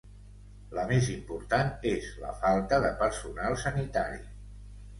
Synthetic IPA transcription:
ləmezimpuɾt̪anezlə̰falˠt̪əðəpəɾsunalˠsənit̪aɾi

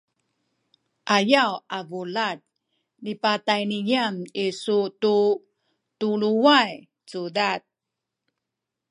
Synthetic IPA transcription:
ʔajawavulat̚ | nipatajnijamisutu | tuluwaj | t͡sudat̚

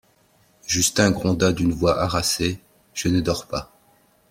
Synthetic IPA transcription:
ʒyskɛ̃ɡʁɔ̃d̪ad̪ynvwaʔaʁase | ʒ̥ənəd̪ɔʁpa

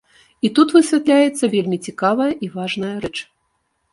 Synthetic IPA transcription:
it̪ut̪vɨsʲvʲat̪lʲajɛt̪sːɐvʲelʲmʲit͡sʲikavɐjɐʔivaʐnɐjɐɾɛt͡ʂ

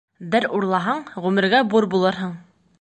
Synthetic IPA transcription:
d̪ɘɾuɾlˠɑɦɑɴʁʉmɘ̆ɾɡæbuɾbulˠɤɾɦɤɴ

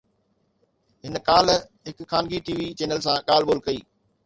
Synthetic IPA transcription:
ɦɪnkaːl | ɦɪkxaːnɡiʈiːʋit͡ɕeːnəlsãːɠaːlɓoːlkɐiː

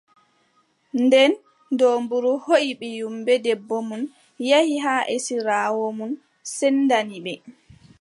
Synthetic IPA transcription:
ndɛn | dombuɾuhoʔiɓɛjumbɛdɛbːomun | jahiɦaʔesiɾaːwomun | sɛnːdaniɓɛ

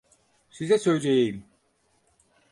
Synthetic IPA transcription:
sizɛsøjd͡ʒejejim

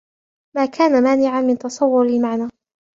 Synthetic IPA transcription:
maːkʰaːnamaːnɪʕanmɪnt̪ɑsˤɑwːʊɾɪlmaʕnaː

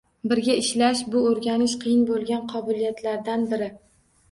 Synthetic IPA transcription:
bɪɾɡʲaɪʃlaʃbʊoɾɡʲanɪʃqʰɨjɪnbolˠɡʲanqʰɒbɪlijat̪ʰlaɾd̪anbɪɾɪ

